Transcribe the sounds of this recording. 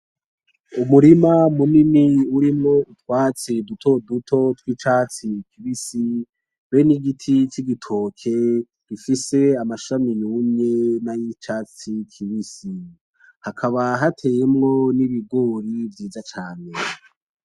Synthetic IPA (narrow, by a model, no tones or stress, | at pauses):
umuɾimamuniniuɾimŋo̞ʔutwaːt͡sedutʰo̞dutʰo̞twiːt͡ʃat͡sikʰiβisi | βeniɡitʰit͡ʃiɡitʰo̞ːkʰe̞ | ɡ̥ifise̞amaʃamiɲumɲe̞najit͡ʃaːt͡sikʰiβisi | hakʰaβaɦatʰe̞ːjemŋo̞niβiɡo̞ːɾivjiːzat͡ʃaːne